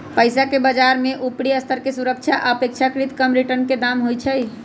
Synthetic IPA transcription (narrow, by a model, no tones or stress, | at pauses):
pəjsakebad͡ʒaɾmeʔupɽiəst̪ʰəɾkesuɾək̚t͡ʃʰaʔəpek̚t͡ʃʰakɾit̪kəmɾiʈəɾnked̪amɦojt͡ʃʰəj